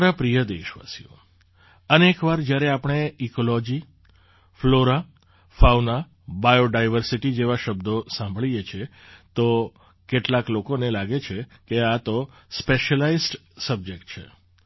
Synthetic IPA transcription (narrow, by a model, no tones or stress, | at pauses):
ɾapɾijəd̪eʃʋa̰sijo̰ | ənekʋaɾd͡ʒjaɾeapəɳ̃eikolɔd͡ʒi | floɾa | fawna | bajoɖajʋəɾsiʈid͡ʒeʋaʃəbd̪osãmbʱəɭijet͡ʃʰe | t̪o | keʈlaklokonelaɡet͡ʃʰekeat̪o | speʃəlaizʈsəb̚d͡ʒek̚ʈ̚t͡ʃʰḛ